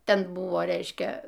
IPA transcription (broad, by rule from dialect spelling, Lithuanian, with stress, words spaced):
ˈtʲɛn ˈbʊʋoː ˈrʲɛɪʃʲkʲɛ